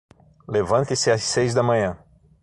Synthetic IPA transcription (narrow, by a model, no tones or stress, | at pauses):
levɐ̃nt̪ɪsɪassejzd̪ɐmɐ̃ɲɐ̃